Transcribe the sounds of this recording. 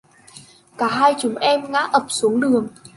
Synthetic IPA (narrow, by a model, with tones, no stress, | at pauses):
kaː˧˩ɦaː˧jt͡ɕʊ˨˦ŋ͡mʔɛ˧mŋa̰ː˧˥ʔə˨˩p̚su˨˦ŋɗɨ˨˩əŋ